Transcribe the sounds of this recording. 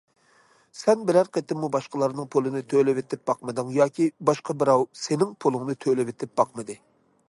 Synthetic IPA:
sɛnbɪlæɾqʰet̪ɪmːubɑʃqəlˠɑɾnɨŋpʰolˠɨnɨt̪ʰølɪvɪt̪ɪp̚bɑqmɨd̪ɨŋjɑːkʲʰibɑʃqʰɑbɪɾɑwsenɪŋpʰolˠɨŋnɨt̪ʰølɪvɪt̪ʰɪp̚b̥ɑqmɨd̪ɨ

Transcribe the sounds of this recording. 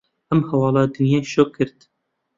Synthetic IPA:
ʔɛmhɐwɑːlɑːd̪ɨnjeːʃoːkʰːɨɾt̪

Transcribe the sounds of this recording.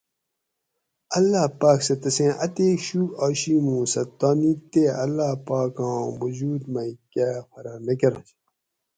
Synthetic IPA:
ɐlːaːpaːksɐt̪ɐsẽːʔɐt̪eːɕuːaːɕiːm̃ũːsɐt̪ːaːniːt̪eɐlːaːpaːkãːwud͡ʑuːd̪mɐikaːfɐɾanɐkɐɾɐ̃ɕ

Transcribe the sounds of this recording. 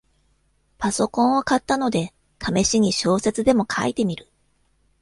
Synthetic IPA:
paso̞kõ̞ɰ̃o̞kat̪ːano̞d̪e̞ | t̪ʰame̞ɕiɲ̟iɕo̞ːse̞t͡sɨd̪e̞mo̞kʰa̰it̪e̞mʲiɾɯ̟

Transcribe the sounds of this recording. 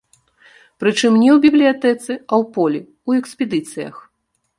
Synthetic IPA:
pɾɨt͡ʂɨmnʲɛwbʲiblʲijat̪ɛt̪sɨawpɔlʲi | wɛksʲpʲɛd̪ɨt̪sɨjɐ̰x

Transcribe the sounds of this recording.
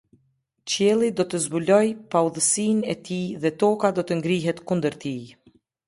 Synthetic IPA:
t͡ɕjɛlˠid̪ɔt̪əzbulɔjpawðəsinɛt̪iðɛt̪ɔkad̪ɔt̪əŋɡɾiɦɛt̪kund̪əɾt̪i

